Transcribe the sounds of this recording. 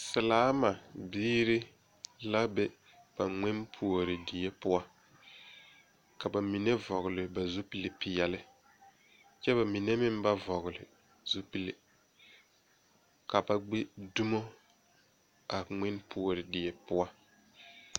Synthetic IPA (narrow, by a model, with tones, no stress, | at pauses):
sɪ˨laː˦ma˨biː˦ɾi˦ | la˦bɛ˦ | b̥a˨ŋ͡mɛ˦npʰu˨o˨ɾɪ˨dɪ˨je˦pʊ˦wa˦ | ka˨ba˨mi˨ne˦vɔ˨ɣʊ˨lɪ˨ba˨zu˦pi˦lɪ˨pɪ˨jɛ˨lɪ˦ | t͡ʃɛ˦βa˨mi˨ne˦mɪ˦m˦ba˦vɔ˨ɣʊ˨lɪ̰˨ | zu˦pi˦le˨ | ka˨ba˨ɡ͡be˦du˦mo˦ | a˨ŋ͡mɛ˦npʰu˨o˨ɾɪ˨dɪ˨je˨pʊ˦a˦